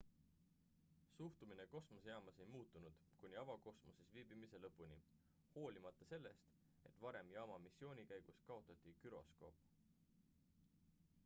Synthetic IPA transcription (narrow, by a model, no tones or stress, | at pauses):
suht̪umineko̞smosjɑːmɑsejmuːt̪ːˑunud̪̥kunʲiɑvɑko̞smo̞sesviːb̥imise̞lɤpˑːunʲi | ho̞ːlʲimɑt̪ːˑɑse̞lːe̞st̪ | e̞t̪ːˑvɑɾe̞mjɑːmɑmisːio̞ːnʲikæjɡ̥uskɑo̞t̪ːˑɑt̪ʲˑːikyɾo̞̰sko̞̰ːp